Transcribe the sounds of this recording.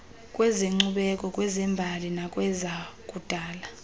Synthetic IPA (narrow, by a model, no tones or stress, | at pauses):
kʼwɛzeŋ͡ǀuɓɛkʼɔkʼwɛzɛmbʱalinakʼwɛzakʼud̥ʱaːla